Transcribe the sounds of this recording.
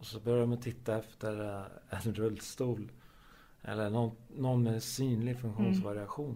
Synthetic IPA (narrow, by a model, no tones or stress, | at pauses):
ɔsɔbœɾjamat̪ʰɪt̪ːaɛft̪əɾɛnɾɵlːst̪uːl | ʔɛ̰lːəɳɔnːɔnmɛsyːnlɪɡfɵŋkɧuːnsvaɾɪaɧuːn